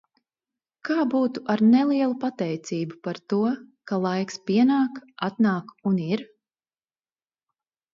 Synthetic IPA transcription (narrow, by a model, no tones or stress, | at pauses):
kaːbuːt̪uʔaɾnɛlˠiɛlˠupat̪ɛjt̪siːbupaɾt̪uɔkalˠajkspʲiɛnaːkat̪naːkuniɾ